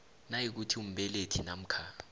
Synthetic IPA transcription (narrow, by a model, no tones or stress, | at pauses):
najik̬utʰium̩bɛletʰinam̩kʰa